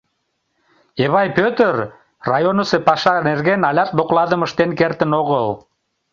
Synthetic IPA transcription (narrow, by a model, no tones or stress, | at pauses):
eβɑjpøt̪er | rɑjonɤ̆sepɑʃɑnerɣenɑlʲɑt̪̚d̪oqlˠɑðə̆mə̆ʃt̪enkert̪ə̆noɣəl